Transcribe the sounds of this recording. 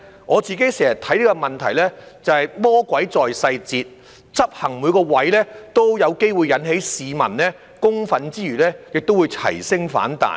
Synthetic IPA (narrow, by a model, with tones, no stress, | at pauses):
ŋʔɔː˨˧t͡siː˨ke˨˥jsɛː˨˩jɐ˨˩t̪ʰɐ˨˥jliː˥kɔ˧mɐ˨nt̪ʰɐ˨˩jlɛː˥t͡sɐ˨˧hɐ˨jmɔː˥kwɐ˨˥jt͡sɔː˨jsɐ˧jt͡siː˧t̚ | t͡sɐ˥p̚hɐ˨˩ŋmuː˨˧jkɔː˧wɐ˨˥jlɛː˥t̪o˥wjɐ˨˧wke˥jwuː˨˧jɐ˨˥nɦe˨˥jsiː˨˧mɐ̰˨˩nlɛː˥ | kʊ˥ŋfɐ˨˥nt͡siː˥jyː˨˩lɛː˥jɪ˨k̚t̪o˥wu˨˧jt͡sʰɐ̰˨˩jsɪ˥ŋfa̰ː˨˥nt̪a̰ː˨˩